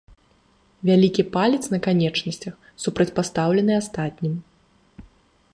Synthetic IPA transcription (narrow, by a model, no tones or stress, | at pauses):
vʲalʲikʲipalʲɛt̪snɐkanʲɛt͡ʂnɐsʲt͡sʲɐx | supɾɐt͡sʲpast̪awlʲɛnɨast̪at̪ʲnʲim